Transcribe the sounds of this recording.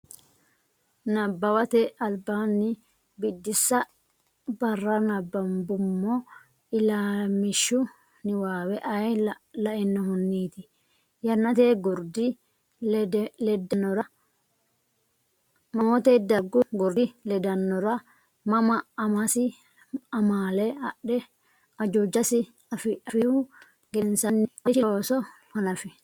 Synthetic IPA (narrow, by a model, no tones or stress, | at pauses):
nɐbːɐwɐt̪ɛʔɐlbaːnːɪ | bɪd̪ːɪsːɐ | bɐrːɐnɐbːɐmbʊmːɔ | ɪlaːmɪʃːʊ | nɪwaːwɛʔɐjlɐʔɪnːɔhʊnːiːt̪ɪ | jɐnːɐt̪eːɡʊɾd̪ɪ | lɛd̪ɐnːɔɾɐ | mɐmɔt̪eːd̪ɐɡːʊɡɔɾd̪ɪlɛd̪ɐnːɔɾɐ | mɐmɐɐmɐsɪ | ɐmaːlɛɐʔɛ | ɐd͡ʒod͡ʒːɐsɪ | ɐfɪɐfɪhʊ | ɡɛnsɐnːʃɪoːsɔhɐnɐfɪ